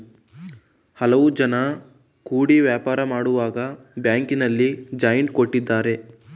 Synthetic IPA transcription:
hɐlɐʋud͡ʒɐnɐ | kuːɽiʋjaːpaːɾɐmaːɽuʋaːɡɐ | bjaːŋkinɐlːid͡ʒɐjɐɳʈ̚koʈːid̪ːaːɾe̞

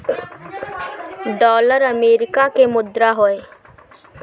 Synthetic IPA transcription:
ɖɔːləɾəmeɾikakemʊd̪ɾaɦɔe

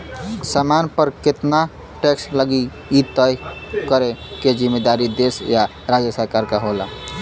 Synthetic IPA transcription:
samanpəɾket̪na | ʈeksləɡi | it̪əjkəɾeked͡ʒimːed̪aɾid̪esja | ɾad͡ʒjəsəɾkaɾkaɦola̰

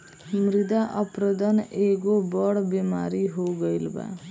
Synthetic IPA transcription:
mɾɪd̪aʔəpɾod̪əneɡobɔɽbima̰ɾiɦoɡəjlba̰

